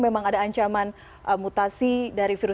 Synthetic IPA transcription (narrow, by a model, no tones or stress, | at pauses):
memaŋadaːɲt͡ʃaman | ʔəmut̪asidaɾifiɾu